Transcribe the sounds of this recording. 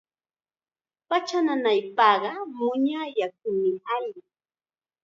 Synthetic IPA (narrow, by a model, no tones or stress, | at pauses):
pat͡ʃananajpɑːɢɑmʊɲajak̚ʊmɪaʎɪ